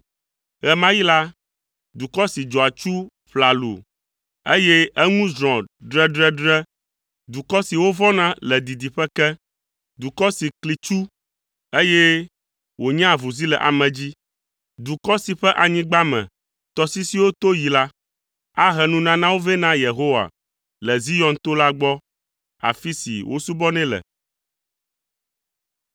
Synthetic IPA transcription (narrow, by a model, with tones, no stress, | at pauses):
ɣɛ˨mã˦ji˦la˦ | d̪u˨kɔ˦si˨d͡ʒɔ˨a˨t͡ʃu˦ | ɸla˨lṵ˨ | e˦jɛ˦ɛ˦ŋũ˦zɾ̃ɔ̃˨ɖɾɛ˦ɖɾɛ˦ɖɾɛ˦ | d̪u˨kɔ˦si˨wo˦vɔ̃˦nã˦lɛ˨d̪i˨d̪i˨ɸɛ˦kɛ˦ | d̪u˨kɔ˦si˨kli˨t͡ʃu˦ | e˦jɛ˦ | wo˨ɲɛ̃˦a˦˨vu˨zi˦lɛ̰˨ʔa̰˨mɛ̃˨d͡ʑi˦ | d̪u˨kɔ˦si˨ɸɛ˦ʔa˨ɲĩ˦ɡ͡ba˦mɛ̰̃˨ | t̪ɔ˨si˦si˦wo˦t̪o˦ji˨la˦ | a˦ɦɛ˨nũ˦nã˦nã˦wo˦vɛ˦nã˦je˨ɦo˦wa̰˨ | lɛ˨zi˦jɔ̃˨nt̪o˦la˦ɡ͡bɔ˦ | a̰˨fi˦sḭ˨wʔo̰˦su˦bɔ˦nɛ̃˦lɛ̰˨